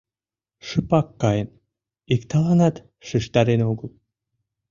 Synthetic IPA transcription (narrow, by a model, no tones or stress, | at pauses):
ʃɨpɑkːɑjən | ikt̪ɑlɑnɑt̪ | ʃɨʃt̪ɑɾenoɡəlˠ